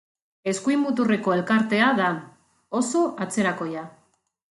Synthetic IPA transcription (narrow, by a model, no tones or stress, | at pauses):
e̞skuimut̪̬ure̞ko̞e̞lkaɾt̪e̞aða | o̞so̞ʔat͡se̞ɾako̞ja